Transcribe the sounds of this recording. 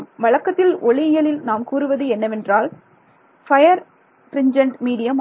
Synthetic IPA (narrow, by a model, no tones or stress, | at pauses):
mʋɐɻɐkːɐt̪ːɪlɔɭɪjɐlɪlnaːmkuːɾɯʋɐðɯɛnːɐʋɛndraːl | fɐjɐɾ | pɾɪɲd͡ʒɐɳʈmiːɽɪjɐm